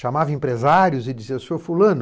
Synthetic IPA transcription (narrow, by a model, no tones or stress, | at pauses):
ʃamavɐẽpɾezaɾjʊzɪd͡ʒiziɐsoɾfulɐ̃nʊ